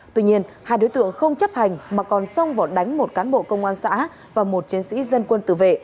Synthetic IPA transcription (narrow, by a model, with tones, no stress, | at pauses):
t̪wi˧ɲi˧ənhaː˧jɗo˨˦jt̪ɨ̰˧˨əŋxə˧wŋ͡mt͡ɕə˦˥p̚ha˨˩jŋ̟maː˨˩kɔ˨˩nsə˧wŋ͡mvaː˨˩ɗa˨˦jŋ̟mo˨˩t̚kaː˨˦nɓo̰˧˨kə˧wŋ͡mʔaː˧nsa̰ː˧˥ | vaː˨˩mo˨˩t̚t͡ɕi˨˦ənsḭ˧˥zə˧nkwə˧nt̪ɨ̰˧˨˩vḛ˧˨